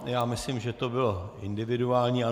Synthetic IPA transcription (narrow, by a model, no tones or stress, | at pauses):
jaːmɪslɪmʒɛt̪obɪloʔɪndɪvɪduaːlɲiːa